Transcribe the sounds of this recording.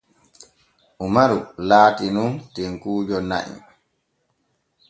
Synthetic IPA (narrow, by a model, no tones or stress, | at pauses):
ʔumaɾulaːtinuntɛŋkuːd͡ʒɔna̰ʔḭ